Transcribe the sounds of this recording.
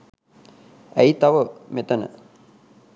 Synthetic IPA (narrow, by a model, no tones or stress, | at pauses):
æjt̪aʋəmet̪ənə̰